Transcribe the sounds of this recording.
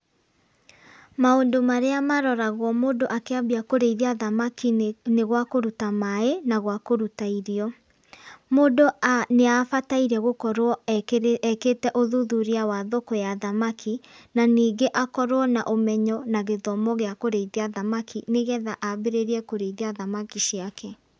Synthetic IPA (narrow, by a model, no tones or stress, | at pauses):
maondomaɾeamaɾɔɾaɣwɔmoːdoʔakeabiakoɾeiðiaðamakineɣwakoɾutamaenaɣwakoɾutaiɾiɔ | moːdoneafataiɾɛɣokɔɾwɔ | ɛketɛʔoðuðuɾiawaðokɔjaðamakʰinaniːɡeʔakɔɾwɔnaʔomɛɲɔnaɣeðɔmɔɣeakoɾeiðeaðamakʰineɣɛðaʔabeɾeɾiɛkoɾeiðiaðamakiɕiakɛ